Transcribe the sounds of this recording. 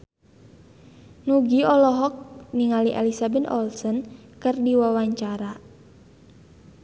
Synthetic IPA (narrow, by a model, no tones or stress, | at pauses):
nuɡiɔlɔɦɔk̚niŋaliʔḛlisabɛt̪ɔ̰lsɔnkɨrdiwawaɲt͡ʃaɾa